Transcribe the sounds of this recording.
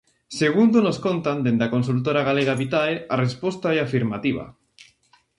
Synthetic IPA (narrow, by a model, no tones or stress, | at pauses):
seɣ̞und̪onoskont̪and̪end̪akonsult̪̬oɾaɣaleɣ̞aβit̪aearespost̪aeafiɾmat̪iβ̞a̰